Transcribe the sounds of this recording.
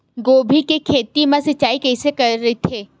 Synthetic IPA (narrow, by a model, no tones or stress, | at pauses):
ɡoːbʱikekʰeːt̪imãsɐt͡ʃaːikɛɪsekɐɾːɐet̪ʰeː